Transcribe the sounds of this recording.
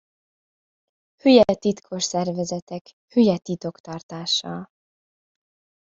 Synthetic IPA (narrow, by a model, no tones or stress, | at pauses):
hyjɛt̪it̪kʰo̞ʃsɛrvɛzɛt̪ɛk | hyjɛt̪it̪o̞kt̪ɒrt̪aːʃɒ̰l